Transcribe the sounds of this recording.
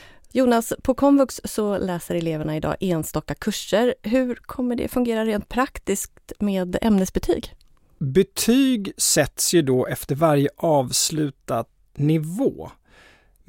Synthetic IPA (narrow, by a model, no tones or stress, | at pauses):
juːnaspʰɔkʰɔmvɵkssɔlɛːsəɾɛleːvəɳaɪd̪ɑ̰ːʔeːnst̪ɔkːakʰɵʂːəɾɦɵ̟ɾkʰɔmːəɖɛ̰fɵŋɡeːɾaɾeːnt̪̚pʰɾakt̪ɪsk̚t̪meːd̪ɛ̰mnəsbɛt̪ʰy̰ːɡ | bɛt̪ʰyːɡsɛt̪sjɵd̪ɔʔɛft̪əɾvaɾjəʔɑːvslʉ̟ːt̪ad̪ | nɪvoː